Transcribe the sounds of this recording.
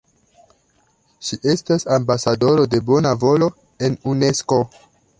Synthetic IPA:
ʃiʔe̞stasambasado̞ɾo̞de̞bo̞navo̞lo̞ | e̞nune̞sko̞

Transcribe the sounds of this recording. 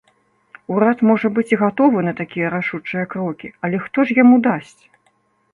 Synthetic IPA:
uɾat̪mɔʐɐbɨt͡sʲiɣat̪ɔvɨnɐt̪akʲijɐɾaʂut͡ʂɨjɐkɾɔkʲiɐlʲɛxt̪ɔʂjamud̪asʲt͡sʲ

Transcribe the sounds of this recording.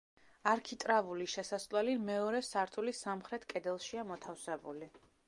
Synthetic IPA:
aɾkʰit̪ʼɾavuliʃɛsasʼlwɛlimɛɔɾɛsaɾt̪ʰulisamχɾɛt̪ʰkʼɛd̪ɛlˠʃiamɔt̪ʰafsɛbṵli

